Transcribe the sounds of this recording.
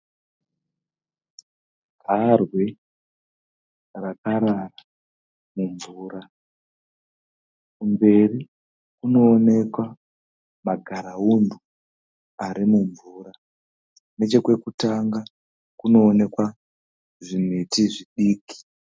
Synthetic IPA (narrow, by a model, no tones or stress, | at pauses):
ɡʱarwe | rakaɾara | muɱvuːɾa | kumbe̞ri | kuno̞ːne̞kwa | maɡʱaɾaundʱu | aɾimuɱvuːɾa | ne̞t͡ʃe̞kwe̞kutaŋɡa | kuno̞ːne̞kwa | ʐimetiʐiɗiːki̥